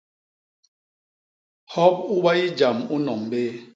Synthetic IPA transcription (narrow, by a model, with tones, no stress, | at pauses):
hɔ˦p̚u˦ba˦i˦d͡ʒa˨mu˦nɔ˨mbe˦